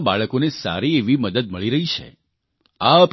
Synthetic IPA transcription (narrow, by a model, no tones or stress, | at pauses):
baɭəkonesa̰ɾieʋiməd̪əd̪̚məɭiɾəɦit͡ʃʰḛ | aəp